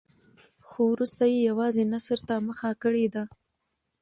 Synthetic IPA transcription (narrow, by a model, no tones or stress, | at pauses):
xowɾust̪ajejawɑzenasəɾt̪aməxakəɽed̪a